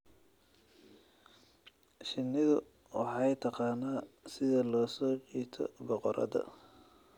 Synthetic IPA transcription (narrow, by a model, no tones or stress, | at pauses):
ʃɪnːɪðʊ | wɑħɑjt̪ʰɑqɑːnaːsɪðɐlɔːsɔːt͡ʃiːt̪ʰɔ̰bɔqɔɾʔɐ̰ðɐ̰